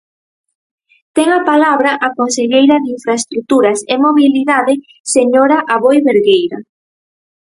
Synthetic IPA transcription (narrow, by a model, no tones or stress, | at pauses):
t̪ɛŋapalaβɾaʔakonseʎejɾɐðiɱfɾaest̪ɾut̪uɾɐsemoβiliðaðɪ | seɲoɾaʔaβojβeɾɣejɾa